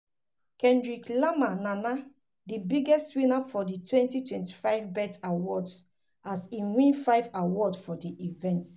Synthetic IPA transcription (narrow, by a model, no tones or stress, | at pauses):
kɛ̃ndɹiklamanãna | dibiɡɛstwĩnafɔditwɛ̃ntitwɛ̃nti̥faɪvbɛtawɔds | asĩwĩnfaɪvawɔdsfɔdiʔivɛ̃nt